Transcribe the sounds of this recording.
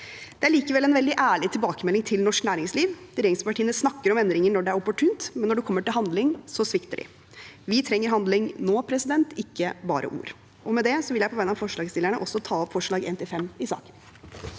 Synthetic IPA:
d̪ɛæɭiːkəʋɛlːɛnʋɛld̪ɪʔæːɭɪt̪ʰɪlbɑːkəmɛlːɪŋt̪ʰɪlnɔʂknæːɾɪŋsliːʋd̪̥ɪɾeːɾɪŋspɑʈʰiːənəsnɑkːəɾɔmɛnd̪ɾɪŋənɔɖɛæɾɔpɔʈʰʉːnt̪mɛnːɔɖʉkʰɔmːəʈɪlɦɑnd̪lɪŋsɔsʋɪkt̪əɖɪ̰ | ʋɪt̪ʰɾɛŋːəɾɦɑnd̪lɪŋnoːpʰɾɛsɪd̪ɛnt̪ɪkːəbɑ̰ːɾʔə̰ʔṵːɾ | ʔɔmɛd̪ɛsɔʋɪljæɪpɔʋæɪnɑʋfɔʂɭɑːɡst̪ɪlːəɳəʔɔsːɔt̪ʰɑːɔpfɔʂɭɑːɡḛːnt̪ʰɪfɛmːɪsɑ̰ːkə̥n

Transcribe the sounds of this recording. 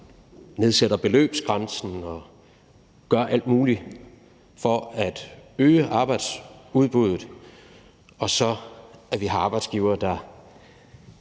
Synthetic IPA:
ne̝ð̞ˠsed̥ɐb̥e̝lø̰ːb̥sɡ̥ʁɑnsn̩ɒ̽ | ɡ̥ɶɐʔæl̰d̥muːli | fɒ̽æd̥øːəʔɑ̈ːb̥ɑ̈ɪd̥suð̞ˠb̥uð̰ˠð̩ˠ | ɒ̽sɒ̽æɐʋiɦɑ̈ɑ̈ːb̥ɑ̈ɪd̥sɡ̥iːʊɐːd̥ɑ

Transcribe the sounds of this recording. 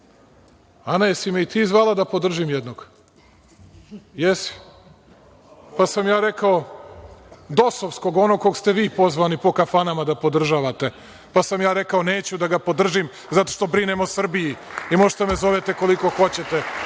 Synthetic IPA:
anajsimeit̪iːzʋaːlˠad̪apo̞d̪r̩ʒimjɛd̪noɡ̥ | jesi̥ | pasamjaːɾekao | d̪o̞soʋsko̞ɡo̞no̞ɡko̞ɡst̪eʋiːpo̞zʋanipo̞kafanamad̪apo̞d̪r̩ʒaːʋat̪e̞ | pasamjaːɾekaoneːt͡ɕud̪aɡapo̞d̪r̩ʒim | zat̪o̥ʃt̪o̞bɾinemosr̩bijiimoʒt̪amezo̞ʋet̪eko̞liko̞xo̞t͡ɕet̪e

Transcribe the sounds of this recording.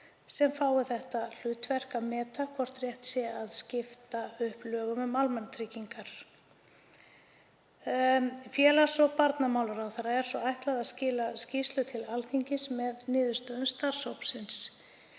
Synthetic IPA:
sɛmfaːwɪθɛht̪al̥ʏːt̪vɛr̥kamɛːt̪akʰvɔr̥t̪rjɛht̪sjɛaðscɪft̪aʏhplœːɣʏmʏmalmant̪ʰɾiciŋkaɾ̥ | fjɛːlḁsɔpaɾt̪namawlʏɾawθaɾːaɛɾ̥svɔajht̪laðaðscɪːlascist̪lʏt̪ʰɪlalθiɲcɪsmɛðnɪːðʏ̥st̪œːðʏmst̪ar̥showpsɪns

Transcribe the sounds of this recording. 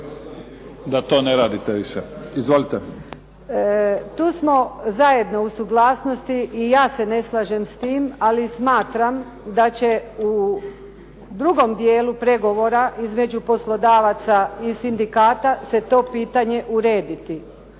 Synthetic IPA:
d̪at̪o̞ːneɾaːd̪it̪eʋiʃeizʋolit̪e | t̪uːsmo̞zaje̞d̪no̞usuɡlaːsno̞st̪iʔːjaːse̞ne̞slˠaʒe̞mst̪iːmalismaːt̪ɾam | d̪at͡ɕe̞u | d̪ɾuɡo̞md̪je̞ːlupɾe̞ɡo̞ʋo̞ɾaʔizme̞d͡ʑupo̞slˠo̞d̪aːʋat̪saisind̪ikaːt̪ase̞t̪o̞ːpiːt̪aɲe̞ʔuɾe̞ːd̪it̪i

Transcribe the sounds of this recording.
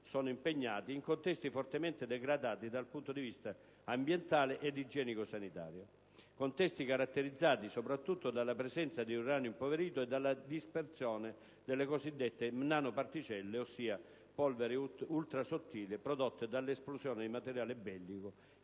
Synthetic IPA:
sɔːnʊimpeɲːaːt̪iːŋkont̪ɛst̪ifɔrt̪emɛnt̪ɪd̪ɛɡɾad̪aːt̪id̪alpunt̪od̪ivist̪a | ambjɛnt̪aːlɪʔɛd̪ːid͡ʒɛːnikosanit̪a̰ːɾjo | kont̪ɛst̪ikaɾat̪ːeɾid̪zːaːt̪isopɾat̪ːut̪ːod̪alːapɾɛsɛnt̪sad̪iunraːnjoimpoveɾiːt̪ʊɛd̪ːalːad̪ispert̪sjɔːnɪ | d̪elːekosid̪ːɛt̪ːɪmnaːnʊpart̪it͡ʃɛlːeosːiːa | pɔlvɛɾɪult̪ɾasot̪ːiːlɪpɾɔd̪ot̪ːɪd̪alːesplusjɔːnɪd̪imat̪ɛɾjaːlɪbɛlːikʊ

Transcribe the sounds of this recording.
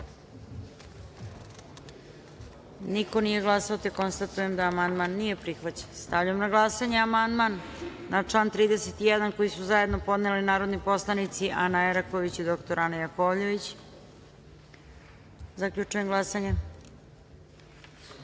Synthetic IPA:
niko̞nije̞ɡlˠasaot̪eko̞nst̪at̪uje̞md̪aːmand̪manːije̞pɾixʋat͡ɕe̥nst̪aʋʎaamnaɡlˠasaɲeamand̪manːat͡ʂlˠaːnt̪ɾiːd̪eset̪ijed̪ankojisuzaje̞d̪no̞po̞d̪nelinaːɾo̞d̪nipo̞slˠanit̪siʔanaeɾakoʋit͡ɕid̪o̞kt̪o̞ɾanajakoʋʎe̞ʋit͡ɕ | zakʎʲut͡ʂujemɡlˠasaɲe

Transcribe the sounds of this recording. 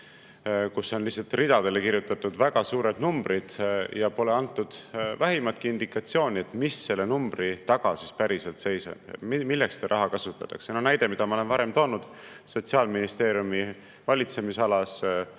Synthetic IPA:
kusːo̞nlihsːɑlt̪rid̪̥ɑd̪̥e̞le̞kirjut̪ːˑɑt̪ːˑud̪̥væɡ̥ɑsuːɾed̪numb̥ɾid̪̥jɑpo̞le̞ɑnt̪ːˑud̪̥væɦimɑt̪̚kiind̪̥ikˑɑt̪sio̞ːnʲie̞t̪misːe̞lːenumb̥rit̪ɑɡ̥ɑsispæɾiselt̪se̞jsɑ̰b̥milːe̞kst̪eɾʔɑɦɑkɑsut̪ːˑɑt̪ːˑɑ̰ksenonæjd̪e̞mid̪̥ɑmɑole̞nvɑɾe̞mt̪o̞ːnud̪̥ | so̞t̪siɑːlminist̪e̞ːɾjumi | vɑlʲit̪se̞misɑlɑs

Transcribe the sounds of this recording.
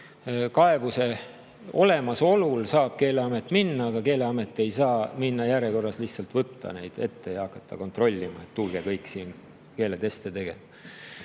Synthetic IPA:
kɑe̞buse̞ | o̞le̞mɑso̞lulsɑːb̥̚ke̞ːle̞ɑmet̪ːˑminːɑɑɡ̥ɑke̞ːle̞ɑme̞t̪ːˑe̞jsɑːminːɑjæɾjeko̞rːɑsliht̪sɑlt̪vɤt̪ːɑ̰ne̞jd̪̥e̞t̪ːe̞jɑɑkːˑɑt̪ːˑɑko̞nt̪ro̞lʲːimɑ̰et̪ːulɡe̞kɤjkːˑsiːn | ke̞ːlet̪e̞st̪et̪e̞ɡ̥e̞̰mɑ

